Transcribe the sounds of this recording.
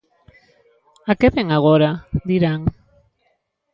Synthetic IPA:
akeβeŋaɣ̞oɾad̪iɾaŋ

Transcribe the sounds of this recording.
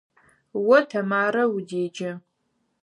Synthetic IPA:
wɐtʰɐmaːɾɐwudeːd͡ʒɐ

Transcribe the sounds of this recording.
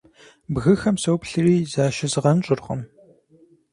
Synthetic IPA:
bɣɨxɐmsɐwpɬɨriːzaːʃɪzɨʁɐnt͡ʃʼʊrχə̰m

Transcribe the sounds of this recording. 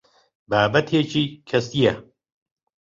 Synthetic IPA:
baːbɐt̪ʰeːt͡ʃʰiːkʰɐst̪ijɐ

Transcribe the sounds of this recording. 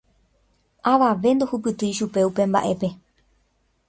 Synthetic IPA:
ʔaʋaʋe̞nd̪o̞hup̬ɨt̪ɨjʃupe̞upẽ̞mba̰ʔe̞pe̞

